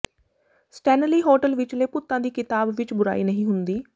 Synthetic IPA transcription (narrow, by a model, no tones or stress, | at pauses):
sʈɛːnəliːɦoːʈəlʋɪt͡ʃleːpʊt̪ːãːd̪iːkɪt̪aːbʋɪt͡ʃbʊɾa̰ːḭːnəɦĩːɦʊnd̪iː